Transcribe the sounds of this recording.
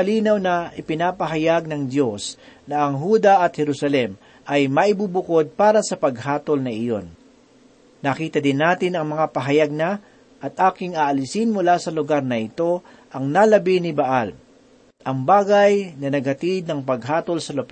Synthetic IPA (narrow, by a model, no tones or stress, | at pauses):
ɐliːnɐwnɐʔɪpɪnaːpɐɦɐjaɡ̚nɐŋd̪jo̞snɐʔɐŋɦuːd̪ɐʔɐt̪̚hɛɾusɐlɛm | ʔɐjmɐʔɪbubʊko̞d̪̚paːɾɐsɐpɐɡhaːt̪olnɐɪjo̞̰nː | ɐkiːt̪ɐd̪ɪnːaːt̪ɪnɐŋmɐŋapɐɦɐjaɡ̚nɐ | ʔɐt̪ʔaːkɪŋaʔɐlɪsɪnmʊlaːsɐlʊɡaɾnɐɪt̪o̞ | ʔɐŋnalɐbɪnɪbaʔal | ʔɐŋbaːɡɐjnɐnɐɡ̚hɐt̪ɪd̪̚nɐŋpɐɡ̚ɦaːt̪o̞lsɐlop